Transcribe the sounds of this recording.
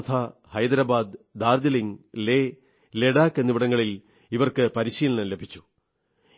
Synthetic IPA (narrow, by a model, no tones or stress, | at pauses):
t̪ʰahɐjd̪ɐɾɐbaːd̪d̪aːrd̪ɐliŋle | le̞ɽaːkːenːiʋiɽɐŋːɐɭil | iʋɐrkɨpɐɾiɕiːlɐɳɐle̞bʱit͡ɕːu̥